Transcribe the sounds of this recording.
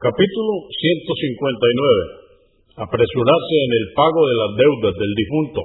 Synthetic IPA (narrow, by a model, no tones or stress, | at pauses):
kapit̪ulosje̞nt̪o̞siŋkwẽ̞nt̪ajnwe̞βe | apɾe̞suɾaɾseːne̞lpaɣo̞ðe̞lazd̪e̞wðazðe̞ld̪ifunt̪o̰